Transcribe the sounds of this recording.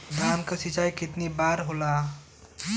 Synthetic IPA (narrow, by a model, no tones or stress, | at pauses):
d̪ʱaːnkasit͡ʃaːjkɪt̪nibaːɾɦolaː